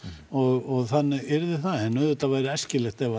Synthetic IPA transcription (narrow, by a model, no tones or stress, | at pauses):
ɔɣɔɣθanːɪɣɛɾðɪθaɛnːœːðʏt̪avaːjɾɪɛscɪlɛxt̪ɛva